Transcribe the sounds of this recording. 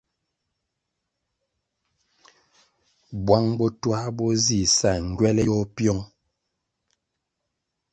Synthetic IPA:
bwa˦ŋbɔ˦twa˦bɔ˦zi˦˨sa˨ŋ˨ɡɥɛ˦lɛ˦jɔ˦pjɔ˦ŋ

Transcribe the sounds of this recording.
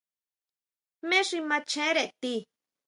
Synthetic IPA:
mẽ˦ʂi˧mã˧t͡ʃẽ˧˦ɾe˧ʔt̪i˧

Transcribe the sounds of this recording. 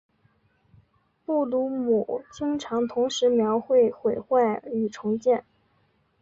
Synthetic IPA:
pu˥˩t̪u˧˥mu˨˩t͡ɕi˥ŋʈ͡ʂʰɑ˧˥ŋt̪ʰʊ˧˥ŋʂɻ̩˧˥mjɑ˧˥ʊxwe˥˩ɪxwe˨˩ɪxwa˥˩ɪy˨˩ʈ͡ʂʰʊ˧˥ŋt͡ɕjɛ˥˩n

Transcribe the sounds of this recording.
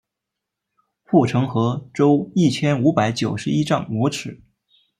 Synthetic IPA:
xu˥˩ʈ͡ʂʰɤ˧˥ŋxɤ˧˥ʈ͡ʂo˥ʊi˥˩t͡ɕʰjɛ˥nu˧˥pa˧˥ɪt͡ɕjo˨˩ʊʂɻ̩˧˥i˥ʈ͡ʂɑ˥˩ŋmwɔ˧˥ʈ͡ʂʰɻ̩˨˩˦

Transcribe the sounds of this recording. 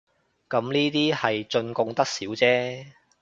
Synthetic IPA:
kɐ˨˥mniː˥t̪iː˥hɐ˨jt͡ʃɵ˧nkʊ˧ŋt̪ɐ˥k̚siː˨˥wt͡sɛː˥

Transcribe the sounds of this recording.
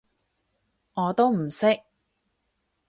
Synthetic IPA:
ŋɔː˨˧t̪o˥wm̩˨˩sɪ˥k̚

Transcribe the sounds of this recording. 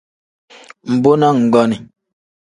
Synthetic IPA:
m̩˨bo˦nɔ˦ŋ̩˨ɡɔ˦ni˨

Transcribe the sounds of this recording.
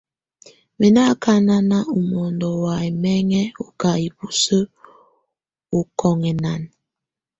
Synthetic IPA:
mɛ˨na˦kʰa˦na˦na˦u˨mɔ˨ndɔ˨wa˨ɛ˨mɛ˦ŋɛ˦o˨ka˨i˨bu˨sə˦ | o˨kʰɔ˨ŋɛ˨na˨n

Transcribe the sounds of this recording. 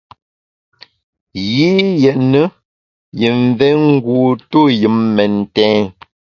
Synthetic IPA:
ɣi˦jɛ˨ʔnə˦ | jə˨ɱ˨vɛ˦ŋ̩˦ɡuː˨to˦˨jɨ˨˦mːɛ˨n̩˨tɛ̃ː˨˦

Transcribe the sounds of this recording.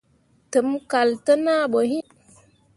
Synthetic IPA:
tə˨˦mka˨ltə˦na˦ɓo˨ɦi˦

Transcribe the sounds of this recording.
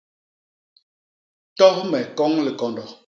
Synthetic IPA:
tɔ˦mɛ˨kɔ˦ŋli˨kɔ˨ndɔ˨

